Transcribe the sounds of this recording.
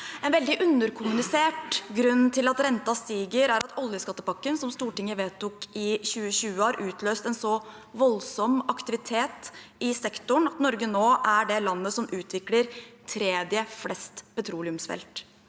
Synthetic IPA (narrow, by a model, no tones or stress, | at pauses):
ɛnʋɛld̪ɪʔʉnːəɾkʰʊmʉnɪseːʈɡɾʉnːt̪ʰɪlɑt̪ɾɛnt̪ɑst̪iːɡəɾæɾɑt̪ɔljəskɑt̪ːəpɑkːənsɔmst̪uːʈɪŋːəʋeːt̪ʊkɪɕʉːəɕʉːəhɑːɾʔʉːt̪ʰløːst̪ɛnsɔ | ʋɔlsɔmɑkt̪ɪʋɪt̪ʰeːt̪ɪsɛkt̪ʊɳɑt̪nɔɾɡənoːʔæɖɛlɑnːəsɔmʔʉːt̪ʰʋɪkləɾt̪ʰɾeːd̪jəflɛst̪pɛt̪ʰɾuːlɪʉmsfɛ̰lt̪